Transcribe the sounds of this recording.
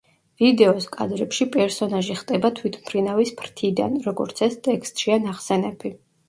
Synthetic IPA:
vid̪ɛɔskʼa̰d̪ɾɛpʃipʼɛɾsɔnaʒiχt̪ʼɛbat̪ʰwit̪ʰmpʰɾinavispʰɾt̪ʰid̪a̰nɾɔɡɔ̰ɾt̪sʰɛst̪ʼɛkst̪ʼʃianaχsɛnɛbʰi

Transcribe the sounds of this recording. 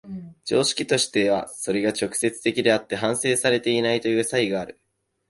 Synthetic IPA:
d͡ʑo̞ːɕi̥kʲit̪o̞ɕi̥t̪e̞β̞a̰so̞ɾe̞ɡat͡ɕo̞kɯ̟̥se̞t͡sɨ̥t̪e̞kʲid̪e̞at̪ːe̞ɦãɰ̃se̞ːsaɾe̞t̪e̞inait̪o̞jɯ̟ːsaiɡaːɾɯ̟

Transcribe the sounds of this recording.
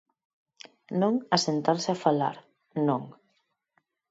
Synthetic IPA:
nõŋasent̪aɾseafala̰ɾ | nõŋ

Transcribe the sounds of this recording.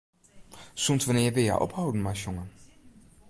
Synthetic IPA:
suntʋanɪːjɛʋɪlˠja̰ʔɔ̰phɑwdənmaːʃɔŋə

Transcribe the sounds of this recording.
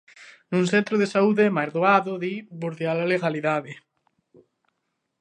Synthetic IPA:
nũnsent̪ɾʊðesauðemajɾðoaðʊðiboɾðjalaleɣaliðaðe

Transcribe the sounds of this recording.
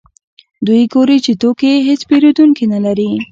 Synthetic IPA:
d̪ujɡoɾit͡ʃet̪okeɦet͡speɾod̪uŋkinalaɾi

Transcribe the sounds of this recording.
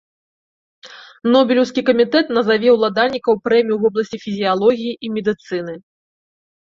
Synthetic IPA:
nɔbʲilʲɛwskʲikɐmʲit̪ɛt̪nɐzavʲɛwlˠad̪alʲnʲːikɐwpɾɛmʲijuvɔblˠɐsʲt͡sʲifʲizʲijalˠɔɣʲijiʔimʲɛd̪ɨt̪sɨnɨ

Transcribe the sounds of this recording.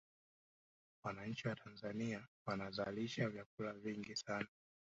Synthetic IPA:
wanaɲ̩t͡ʃiwatʰanzaniawanazaliʃavjak̚ulaviŋɡisana

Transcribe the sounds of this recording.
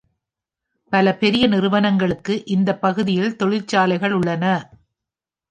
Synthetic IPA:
pɐlɐpɛɾɪjɐnɪrɯʋɐnɐŋɡɐɭɯkːɯʔɪnd̪ɐpːɐɣɯðɪjɪlt̪ɔɻɪlt͡ʃːaːlɐɪɣɐɭʊɭːɐnɐ

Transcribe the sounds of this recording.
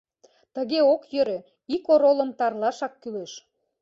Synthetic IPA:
t̪əɣeokjøɾø | ikoɾolə̆mt̪ɑrlɑʃɑkːyleʃ

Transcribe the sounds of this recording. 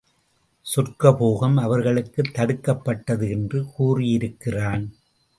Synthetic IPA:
sʊrkɐpoːɣɐmɐʋɐɾɣɐɭɯkːɯt̪ːɐɽɯkːɐpːɐʈːɐðɯɛndrɯkuːrɪjɪɾɯkːɪraːn

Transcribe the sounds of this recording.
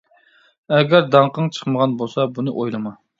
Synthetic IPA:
ɛɡʲæɾd̪ɑɴqəŋt͡ʃʰə̥χməʁɑnbolˠsɑbunɨʔojlˠɨmɑ

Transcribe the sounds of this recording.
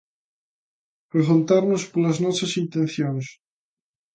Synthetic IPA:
pɾeɣont̪aɾnospoɾlaznosasint̪enθjons

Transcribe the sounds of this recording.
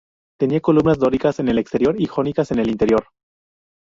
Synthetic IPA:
t̪e̞niako̞lumnazd̪o̞ɾikase̞ne̞le̞kst̪e̞ɾjo̞ɾixo̞nikase̞ne̞lint̪e̞ɾjo̞ɾ

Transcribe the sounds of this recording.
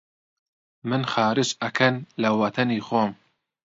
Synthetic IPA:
mɨnxɑːɾɨʃɐkʰɐnlɐwɐt̪ʰɐniːxoːm

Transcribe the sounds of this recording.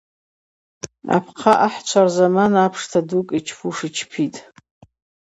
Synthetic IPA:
a̰pʰqʰaʔaħt͡ʃʷʰarzamanapʰʂtʰadukʼit͡ʃʰpʰuʂɨt͡ʃʰpʰitʼ

